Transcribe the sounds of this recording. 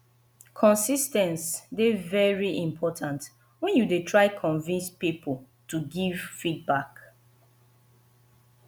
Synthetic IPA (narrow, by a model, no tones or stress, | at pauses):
kʰɔ̃nsistɛ̃nsdevɛɹiʔĩmpʰɔtʰãnt | wɛ̃njudetʰɹaɪkʰɔ̃nvĩnspipʰo | tuɡiv̥fid̚bak